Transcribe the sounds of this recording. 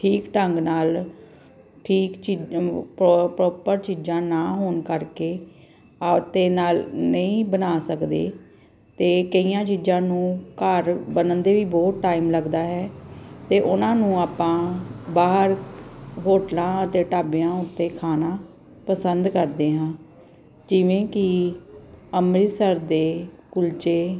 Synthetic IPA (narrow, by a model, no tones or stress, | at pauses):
ʈʰiːkʈəŋɡnaːl | ʈʰiːkt͡ʃippɾɔːpəɾt͡ʃiːd͡ʒãːnaːɦoːnkəɾkeː | t̪eːnaːlnəĩːbənaːsəkd̪ḛː | t̪eːkəijãːt͡ʃiːd͡ʒãːnũːkəɾbənənd̪eːʋiːbɔːt̪ʈaːiːmləɡd̪aːɦɛːt̪eːʔʊnãːnũːaːpãːbaːɦəɾɦoːʈlãːət̪eːʈaːbjãːʊt̪ːeːkʰaːnãː | pəsənd̪kəɾd̪eːɦãː | d͡ʒɪʋẽːkɪ | əmɾɪsəɾd̪eː | kʊlt͡ʃeː